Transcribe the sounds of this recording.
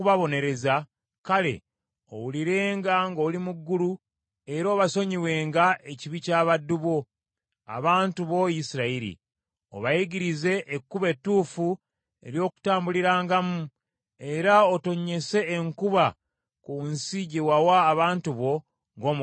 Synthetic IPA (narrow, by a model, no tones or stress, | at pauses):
βaβo̞ne̞ɾe̞za | kale̞̰ | o̰wuliɾe̞ːŋɡaŋɡoːlimuɡːulu | e̞ɾoːβaso̞ɲiwe̞ːŋɡae̞ciβicaːβadːuβo̞ | a̰βaːntuβo̞jisiɾaiɾḭ | o̞̰βajiɡiɾize̞ʔːkːuβe̞tːuːfu | e̞̰ɾjo̞ːku̥taːmbuliɾaːŋɡamu | e̞ɾaoto̞ɲːe̞se̞ːŋkuβa | kunsiɟewawaːβaːntuβo̞ | ŋɡo̞ːm